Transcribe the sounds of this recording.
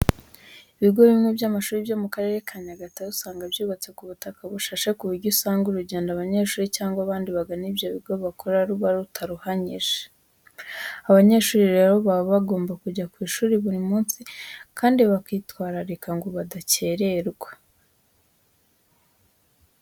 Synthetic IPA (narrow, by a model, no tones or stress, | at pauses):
iβiɡo̞βimŋebjamaʃuːɾibjomukaɾe̞ɾe̞kʰaɲaɡatausaːŋɡabjuːβat͡se̞kuβutakaβuʃaʃe̞kuβuɾɟusaːŋɡuɾuɟe̞ːndaβaɲe̞ːʃuːɾicaːŋɡwaβaːndiβaɡanibjoβiɡo̞βakʰo̞ɾaɾuβaɾutʰaɾuhaɲiʒe | aβaɲe̞ʃuːɾiɾe̞ɾoβaβaɡo̞ːmbakuɟakwiːʃuːɾiβuɾimuːnsikʰaːndiβakiːtwaːɾaɾekaŋɡoβadace̞ɾe̞ɾɡwḁ